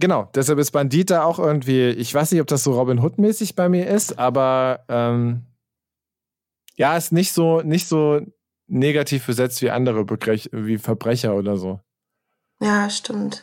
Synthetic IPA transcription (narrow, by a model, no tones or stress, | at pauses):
ɡ̥ənaʊd̥ɛs̬halpɪst̚b̥andiːt̚d̥aːaʊxʔɪɐɡŋ̩tv̥iːɪçv̥aɪsnɪçtɔp̚d̥as̬z̥oːʁɔbɪnɦʊtmɛːsɪçb̥aɪmiːɐʔɪstʔaːbɐʔɛːm | jaːɪstnɪçtz̥oːnɪçtz̥oː | neːɡatʰiːfb̥əzɛt͡stv̥iːʔa̰ndəʁ̞əbəɡʁɪçviːfɛɐbʁɛçɐoːdɐzoː | jaːʃtɪmt